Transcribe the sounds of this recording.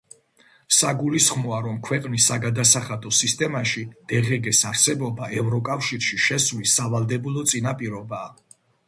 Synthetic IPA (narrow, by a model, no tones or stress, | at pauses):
saɡulisχmɔaɾɔmkʰwɛqʼnisːaɡad̪asaχad̪ɔsist̪ʼɛmaʃid̪̥ɛʁɛɡɛsaɾsɛbɔbaɛvɾɔkʼafʃiɾʃiʃɛsvlisːavalˠd̪ɛbulˠɔt̪sʼinapʼiɾɔbaː